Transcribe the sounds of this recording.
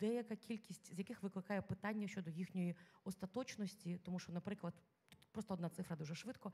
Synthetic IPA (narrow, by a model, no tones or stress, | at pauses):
d̪̥ɛjɐkakʲilʲkʲisʲtʲzʲjɐkɪxʋɪklˠɪkɑjɛpɪt̪ɑnʲːɐʃt͡ʃɔd̪ɔjixnʲɔjiɔst̪ɐt̪ɔt͡ʃnɔsʲtʲit̪ɔmuʃt͡ʃɔnɐpɾɪklˠɐd̪ | pɾɔst̪ɔɔd̪nɑt̪sɪfɾɐd̪uʒɛʃʋɪt̪kɔ